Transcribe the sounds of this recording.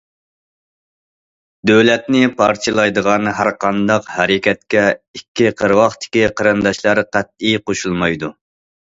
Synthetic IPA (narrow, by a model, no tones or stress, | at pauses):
d̪øwlɛt̪nɪpʰɑɾt͡ʃʰɨlˠɑjd̪əʁɑnɦæɾqʰɑnd̪ɑqhɛɾɪkʲɛt̪̚kʲɛikʲʰːiqʰəɾwɑχt̪ʰɪ̥kʲiqʰɑɾɨnd̪ɑʃlˠɑɾqʰæt̪̚ijqoʃulˠmɑjd̪u